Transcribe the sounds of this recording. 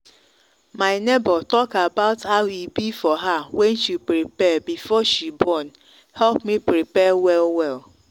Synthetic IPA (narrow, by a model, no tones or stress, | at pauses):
maɪnebətɔkabaʊthaʊibifɔɦawɛ̃nʃipɾipɛbifɔʃibɔn | hɛlpmipɾipɛwɛlwɛl